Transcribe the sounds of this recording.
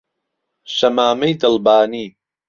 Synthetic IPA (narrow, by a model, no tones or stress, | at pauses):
ʃɐmaːmejd̪ɨlbaːniː